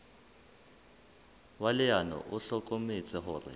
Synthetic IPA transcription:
walɪanɔ̰ʔʊɬɔkʼomɪt͡sʼɪɦʊːrɪ̰

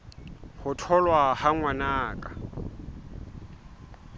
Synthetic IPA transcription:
hʊtʰɔlwahaŋwanaːkʼa

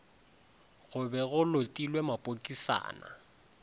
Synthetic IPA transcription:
ɣʊbɛɣʊlotʼilwɛmapʼokʼisa̰ːna̰

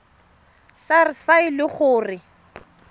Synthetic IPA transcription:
sarɪsfaɪlɪχʊːrɪ

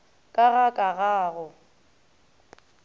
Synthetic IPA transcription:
kʼaɣakʼaɣaːɣʊ

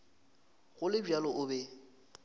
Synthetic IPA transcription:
ɣʊlɪbjalɔʔʊbɛ

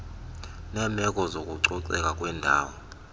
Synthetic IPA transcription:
nɛmʱɛkʼɔzokʼuǀɔǀɛkʼakʼwɛːndʱa̰ːwɔ

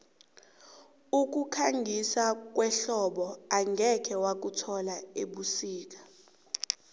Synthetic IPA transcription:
uk̬ʼukʰaŋɡʱisak̬wɛɬɔɓɔaŋɡʱɛkʰɛwak̬utʰɔlaeɓusiːk̬ḁ

